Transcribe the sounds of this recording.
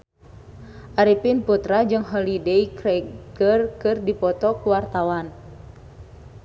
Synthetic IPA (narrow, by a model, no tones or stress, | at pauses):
ʔaɾipinput̪ɾad͡ʒɨŋɦɔlideikɾɛɡərkɨrdipɔt̪ɔkuwart̪awan